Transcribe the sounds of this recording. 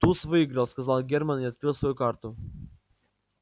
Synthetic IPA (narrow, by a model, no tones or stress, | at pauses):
t̪usvɔiɡɾalˠskazalˠɡʲɛɾmaniɔt̪̚kɾilˠsvɔjukaɾt̪u